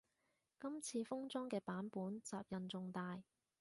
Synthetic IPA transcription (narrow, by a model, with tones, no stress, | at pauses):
kɐ˥mt͡sʰiː˧fʊ˥ŋt͡sɔː˥ŋkɛː˧paː˨˥npuː˨˥nt͡saː˨p̚jɐ˨nt͡sʊ˧ŋt̪aː˨j